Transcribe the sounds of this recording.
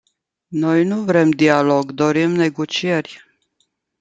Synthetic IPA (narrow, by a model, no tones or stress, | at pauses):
no̞jnuvɾe̞md̪ialo̞ɡd̪o̞ɾimne̞ɡo̞t͡ʃie̞rʲ